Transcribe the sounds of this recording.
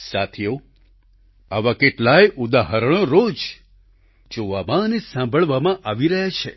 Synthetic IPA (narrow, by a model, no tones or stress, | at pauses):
sat̪ʰijo | aʋakeʈlajʔud̪aɦəɾəɽ̃oɾod͡ʒ | d͡ʒoʋamãnesãmbʱəɭʋamãʔaʋiɾəɦat͡ʃʰe